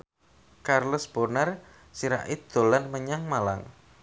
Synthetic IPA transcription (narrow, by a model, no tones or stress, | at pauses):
karləsb̥ɔrnar | siɾa̰ʔid̪̥o̤lanməɲaŋmala̰ŋ